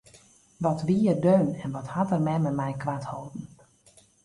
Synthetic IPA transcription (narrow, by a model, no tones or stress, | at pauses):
ʋɔtʋiːərdøːnɛnʋɔthatərmɛməmɛjkʋathowˠdn̩